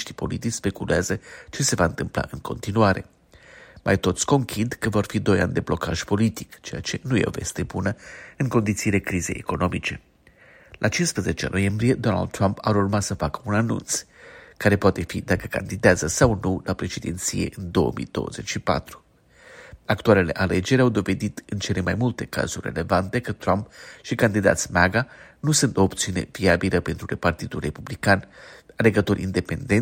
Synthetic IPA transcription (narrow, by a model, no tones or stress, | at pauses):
ʃt̪i̥po̞̰lit̪it͡ʃʲspekuleazət͡ʃe̞se̞vaɨnt̪ɨmpla̰ʔɨŋkʰo̞̰nt̪inuaɾe̞̰ | mʔa̰jt̪o̞t̪sʲko̞ŋkʰʲid̪kəvo̞rfid̪o̞ja̰nʲd̪e̞blo̞kaʒpo̞lit̪ikt͡ʃe̞ja̰t͡ʃe̞nuje̞̰o̰ve̞̰st̪e̞bunəɨŋko̞nd̪it̪siːle̞kɾize̞̰jḛko̞no̞mit͡ʃe̞ | lʔat͡ʃinspɾəze̞t͡ʃeno̞̰je̞mbɾije̞d̪o̞na̰ld̪̚t̪ːɾampaɾurmasəfakəunanṵnt̪skaɾe̞poat̪e̞fid̪akəka̰nd̪id̪eazəsawnulʔapɾe̞ʃed̪ent̪sijḛʔɨnd̪o̞ə̰mʔḭd̪̥o̞̰wə̰ze̞t͡ʃʲʃipa̰t̪ɾu | akt̪uale̞le̞̰ʔale̞d͡ʒe̞ɾʲawd̪o̞ve̞d̪it̪ɨnt͡ʃe̞le̞majmult̪e̞ka̰z̥urʲre̞̰le̞vant̪e̞kət̪ːɾampʃikand̪id̪a̰t̪sʲmaɡanusɨnt̪o̞ːpt̪siune̞̰viabiləpe̞nt̪ɾuɾepart̪id̪ulre̞publikanale̞ɡət̪o̞ɾʲʔḭnd̪e̞pe̞̰nd̪en